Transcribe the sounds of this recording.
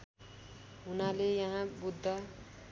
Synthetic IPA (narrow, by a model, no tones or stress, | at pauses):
ɦunalejaɦãbud̪ʱːʌ